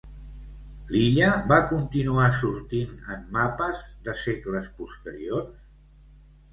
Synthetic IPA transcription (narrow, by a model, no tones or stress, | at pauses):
liʎəβakunt̪inuasuɾt̪inəmːapəzðəsekləspust̪əɾiors